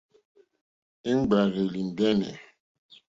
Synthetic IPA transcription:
i˦ŋ͡mɡ͡ba˨ɾe˨li˨n˨dɛ˦nɛ̰˨

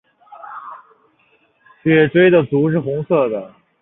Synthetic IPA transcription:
ɕɥɛ˥˩ʈ͡ʂwe˥ɪd̪ə˨t͡su˧˥ʂ̬ɻ̩˥˩xʊ˧˥ŋsɤ˥˩d̪ə˩

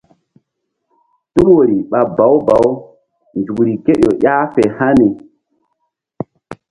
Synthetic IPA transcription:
tu˦ɾwo˨ɾi˨ɓa˨ba˨˦wba˨w | nd͡ʒu˨kɾi˨ke˦ɗo˨ʔjaː˦fe˨ha˦ni˨

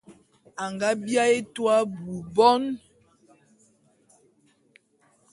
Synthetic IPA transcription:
a˨ŋɡa˦bja˦e˦twa˦bu˨bɔ˦n

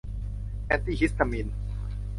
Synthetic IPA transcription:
ʔɛ˧nt̪i˧ɦi˦st̪a˨mi˧n

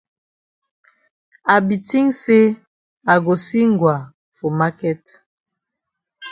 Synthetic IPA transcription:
a˨bi˨ti˦ŋse˦ | a˨ɡo˨si˦ŋɡwa˨ | fo˨ma˦kɛ˦t

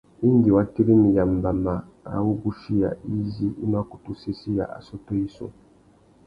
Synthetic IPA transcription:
i˦ndi˨wa˦ti˦ɾi˦mi˨ja˨m̩˨ba˨ma˨ | a̰˨wu˦ɡu˦ʃi˦ja̰˨i˦zi˦i˦n˦a˦ku˨tu˨se˦si˦ja̰˨ʔa̰˨sɔ˦tɔ˦i˦sṵ˨

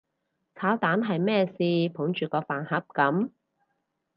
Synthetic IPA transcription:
t͡sʰaː˨˥wt̪aː˨˥nɦɐ˨jmɛː˥˩siː˧pʰʊ˨˥ŋt͡ʃyː˨kɔː˧faː˨˩nhɐ˨˥p̚kɐ˨˥m

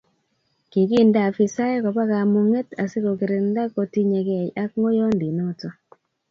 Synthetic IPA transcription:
ke˨ki˦nda˨fi˨sa˦je˦ko˨pa˦ka˨mu˨ŋe˦ta˨se˦ko˨kɪ˨ɾe˨nda˦ko˨ti˦ɲe˨kɛ˨ja˦kŋo˦jɔ˦ndi˨no˦to˦

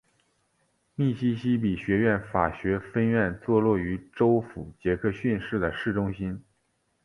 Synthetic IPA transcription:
mi˥˩ɕi˥ɕi˥pi˨˩ɕɥɛ˧˥ɥɛ˥˩nfa˨˩ɕɥɛ˧˥fə˥nɥɛ˥˧nt͡swɔ˥˧lwɔ˥˩y˧˥ʈ͡ʂo˥ʊfu˨˩t͡ɕjɛ˧˥kʰɤ˥˧ɕy˥˧nʂɻ̩˥˩d̪ə˩ʂɻ̩˥˩ʈ͡ʂʊ˥ŋɕi˥n

